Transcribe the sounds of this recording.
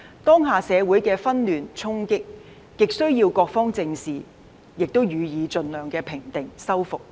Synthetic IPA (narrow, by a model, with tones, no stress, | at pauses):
t̪ɔː˥ŋɦaː˨˧sɛː˨˧wuː˨˥jkɛː˧fɐ˥nlyː˨nt͡sʰʊ˥ŋkɪ˥k̚ | kɪ˨k̚sɵ˥ɥjiː˧wkɔː˧k̚fɔː˥ŋt͡sɪ˧ŋsiː˨ | jɪ˨k̚t̪o˥wjyː˨˧jiː˨˧t͡ʃɵ˨˧nlœː˨˩ŋkɛː˧pʰɪ˨˩ŋt̪ɪ˨ŋsɐ˥wfʊ˨k̚